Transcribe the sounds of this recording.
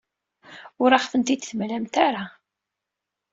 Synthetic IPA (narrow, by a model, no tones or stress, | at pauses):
ʊɾaχθənt̪id̪θmlæmt̪aɾa